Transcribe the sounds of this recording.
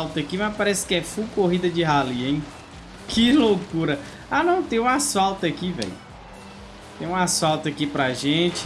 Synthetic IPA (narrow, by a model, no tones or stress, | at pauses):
lt̪ɐkimapaɾɛsɪ̥kɪɛfukoɦid̪ɐd͡ʒɪɦaliẽj̃ | kɪlokuɾɐ | anɐ̃w̃t̪ẽj̃ũasawt̪ɐkivɛ̰j | t̪ẽj̃ũasawt̪ɐkipɾɐaʒẽt͡ʃɪ̥